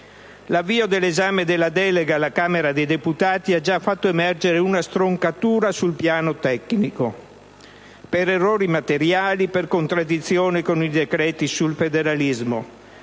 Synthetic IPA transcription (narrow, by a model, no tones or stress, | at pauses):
lavːiːod̪elːezaːmed̪elːad̪ɛːleɡalakaːmeɾad̪ejd̪eput̪aːt̪iad͡ʒafːat̪ːoemɛrd͡ʒeɾeunast̪ɾoŋkat̪uːɾasulpjaːnot̪ɛkniko | peɾerːoːɾimat̪eɾjaːliperkont̪ɾad̪ːit̪sːjoːnekonid̪ekɾɛːt̪isulfed̪eɾalizmo̰